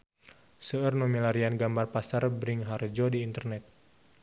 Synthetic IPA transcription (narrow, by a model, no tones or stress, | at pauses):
səərnomilaɾianɡambarpasarbɾiŋɦard͡ʒɔdiːnt̪ərnɛt̪̚